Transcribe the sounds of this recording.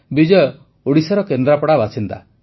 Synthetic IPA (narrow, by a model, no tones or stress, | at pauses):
bid͡ʒɔ | oɽisɔɾɔkend̪ɾapɔɽabasint̪a̰